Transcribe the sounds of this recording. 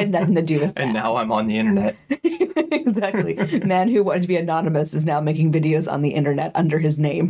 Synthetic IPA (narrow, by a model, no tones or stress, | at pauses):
ɨdⁿnʌθɪ̃ŋtɨdɨðɨtʔɨ̃nːaʊãɪ̃mə̃nðiɪ̃ɾ̃ə˞nɛt̚ | ɪɡzæk̚tˡlḭmæ̃nhʉwɑ̃ɾ̃ɨd̚tʰɨbiɨnɑnɨmɨsɨznaʊmeɪkɪ̃ŋvɪɾioʊzn̩ðiʔɪ̃nɾ̃ə˞nɛɾʌ̰̃ndə˞ɨznẽɪ̃m